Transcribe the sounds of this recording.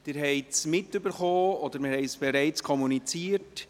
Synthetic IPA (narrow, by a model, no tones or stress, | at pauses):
d̥ɪɾɦɛɪtsmɪtːʏbəɾχoːɔd̪əɾmɪɾhɛɪsb̥ɛɾɛɪt͡skʰɔmunit͡siːəɾt